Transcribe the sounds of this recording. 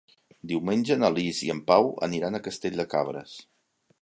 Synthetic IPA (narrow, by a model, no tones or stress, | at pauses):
d̪iwmenʲʒənəliziəmpawə̰niɾanəkəst̪eʎʲd̪əkaβɾə̰s